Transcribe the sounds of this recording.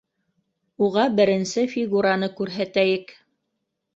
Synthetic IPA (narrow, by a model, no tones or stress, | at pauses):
uʁɑbɘ̆ɾɘ̆nsɘfʲiɡuɾanɤkʉɾɦæt̪æjɘk